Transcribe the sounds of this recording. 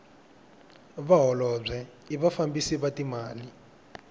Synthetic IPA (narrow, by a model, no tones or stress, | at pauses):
βaɦɔlɔb͡ʐʷɛ | iβafambisiβatimaːli